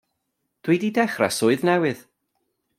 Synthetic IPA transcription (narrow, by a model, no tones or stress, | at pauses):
d̥wididɛχra̰sʊɨðnɛwɨð̥